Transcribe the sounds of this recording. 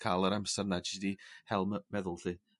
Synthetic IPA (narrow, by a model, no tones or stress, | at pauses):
kʰalˠəɾamsɛrnad͡ʒidihɛlˠmmɛðʊlˠɬɨ